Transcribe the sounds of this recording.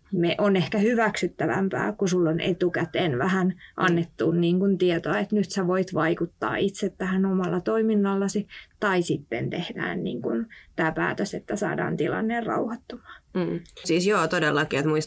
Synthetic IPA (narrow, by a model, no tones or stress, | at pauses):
meʔonehkæhyʋæksyt̪ːæʋæ̰mpæ̰ːkusulːonʔḛt̪ukæt̪enʋæhænʔɑ̰nːet̪ːunniːŋkunt̪iet̪oɑet̪nyt̪sæʋoit̪ʋɑikut̪ːɑ̰ːit̪set̪tæhænomɑlːɑt̪oiminːɑlːɑsit̪ɑisit̪ːent̪ehdæ̰ːnnḭːŋkunt̪æːpæ̰ːt̪øset̪ːæsɑ̰ːdɑ̰ːnt̪ilɑ̰nːeːrrɑ̰uhɑt̪ːomɑ̥ːsiːsjoːt̪odelːɑkiet̪muis